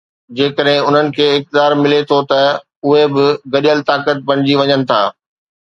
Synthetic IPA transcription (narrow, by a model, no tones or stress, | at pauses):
d͡ʑeːkəɗɦɪ̃ʊn̤ənɪ̆kʰeːɪk̚t̪ɪ̆d̪aːɾmɪlet̪ʰot̪ɐ | ʊɦebɪɡɐɗijəlt̪aːkət̪̚bɐɽ̃ɪd͡ʑiʋɐɲənɪ̆t̪ʰa̰ː